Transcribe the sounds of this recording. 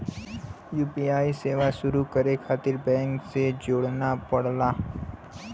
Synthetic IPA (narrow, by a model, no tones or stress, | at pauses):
juːpiaːiseːʋaʃʊɾukəɾekʰaːt̪ɪɾbɛ̃ːŋksed͡ʒoːɽnapɐɽlaː